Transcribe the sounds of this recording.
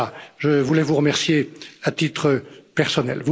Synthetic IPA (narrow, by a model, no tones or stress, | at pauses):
aʒəvulɛvuʁəmɛʁsjeat̪it̪χəpɛʁsɔnɛ̰lvu